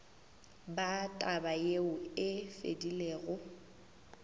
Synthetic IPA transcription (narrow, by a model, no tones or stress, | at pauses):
batʼabajeʊɪfḛdileːɣʊ